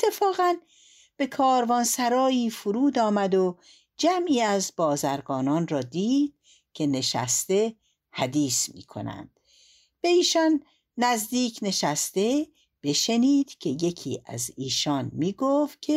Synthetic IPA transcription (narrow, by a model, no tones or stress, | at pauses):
et̪ʰːe̞fɒːɣæn | b̥e̞kʰɒːɾvɒːnsæɾɒːiːfuɾuːd̪ɒːmæd̪o | d͡ʒæmiːæzbɒːzæɾɡɒːnɒːnrɒːd̪iːd̪̥̚ | kʰe̞ne̞ʃæ̰st̪e̞ | hæd̪iːsmḭːkʰo̞̰næ̰nd̪̥ | b̥e̞iːʃɒnː | æzd̪iːcʰne̞ʃæst̪e̞ | b̥e̞ʃe̞niːd̪̥cʲʰe̞je̞kʰḭːʔæ̰ziːʃɒnmiːɡofkʲʰe